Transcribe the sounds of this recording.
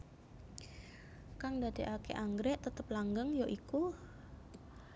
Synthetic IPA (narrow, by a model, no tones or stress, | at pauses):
kaŋdad̪̥eʔakeʔaŋɡɾɛʔt̪ət̪əp̚laŋɡəŋjoʔiku